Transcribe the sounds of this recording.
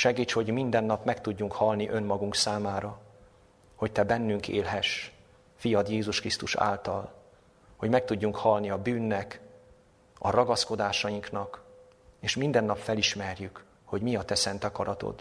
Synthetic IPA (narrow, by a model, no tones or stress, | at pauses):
ʃɛɡiːt͡ʃho̞ɟmind̪ɛnːɒpmɛkt̪uɟːuŋkhɒlniʔø̞nmɒɡuŋksaːmaːɾɒ | ho̞ct̪ɛbɛnːyŋkʰeːlɦɛʃ | fijɒd̪jeːzuʃkrist̪uʃa̰ːlt̪ɒl | ho̞ɟmɛkt̪uɟːuŋkhɒlniɒbyːnːɛk | ɒ̰ɾɒɡɒsko̞d̪aːʃɒjiŋknɒk | eːʃmind̪ɛnːɒpfɛliʃmɛrjyk | ho̞ɟmiɒt̪ɛsɛnt̪ɒkɒɾɒt̪o̞̰d̪